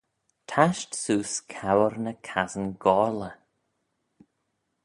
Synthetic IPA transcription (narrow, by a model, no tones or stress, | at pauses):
t̪ʰaʃtsuːskʰawəɾnəkʰazənɡɔːɹlə